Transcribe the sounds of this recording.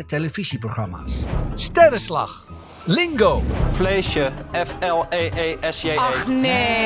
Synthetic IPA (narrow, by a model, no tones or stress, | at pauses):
əteləfiziproχrama̰sstɛɾəsla̰x | lɪŋɡoːfleːʃəɛfɛlˠeːʔeːʔɛsene